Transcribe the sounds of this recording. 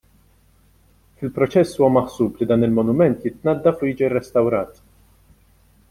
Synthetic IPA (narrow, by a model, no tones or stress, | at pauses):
fɪlpɾɔt͡ʃɛsːuːwɐmɐħsuːplid̪ɐːnɪlmɔnʊmɛnt̪jɪt̪nɐd̪ːɐfʊjiːd͡ʒirːɛst̪ɐwɾɐːt̪